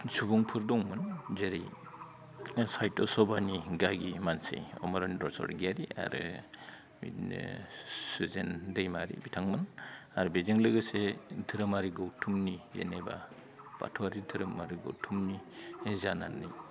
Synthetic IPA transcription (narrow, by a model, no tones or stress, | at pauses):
subɔŋpʰɯɾdɔŋmɯnzeɾij | sajtɔsɔbaniɡaɡimansḛjɔ̰mɔɾandɔsɔ̰ɾɡaɾia̰ɾɯ | sɯzendajmaɾḭbitʰaŋmɯnaɾubezeŋlɯɡɯsedʰɯɾɯmaɾiɡowtʰumnijḛneba̰ | b̥a̰tʰɔaɾidʰɯɾɯmaɾiɡo̰wtʰumnizana̰nːij